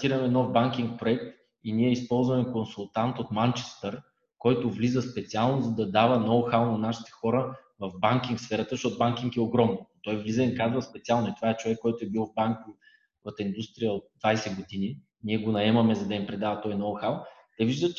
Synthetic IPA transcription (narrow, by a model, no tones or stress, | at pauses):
t̪iɾəmɛnɔfbaŋkʲiŋk̚pɾoɛk̚t̪ | iniɛispɔlˠzvɐmɛkonsʊlˠt̪ant̪ot̪mant͡ʃɛ̥st̪əɾ | kɔjt̪ʊvlizəspɛt̪sialˠnʊzɐd̪ɐd̪avənɔwxalˠnɐnaʃi̥t̪ɛ̥xɔɾəvɐvbaŋkʲiŋkfsfɛɾət̪əzɐʃtɔt̪ʊbaŋkʲiŋkɛoɡɾɔmnonot̪ɔjvlizəikazvəspɛt̪sialˠnoit̪ovaɛt͡ʃovɛkːɔjt̪ʊɛbilˠvbaŋki | ot̪ind̪ust̪ɾijəot̪̚d̪vajsɛɡod̪ini | niɛɡonɐɛmɐmɛzɐd̪ɐimpɾɛd̪avɐt̪ɔjnɔwxalˠ | t̪ɛviʒd̪ət͡ʃ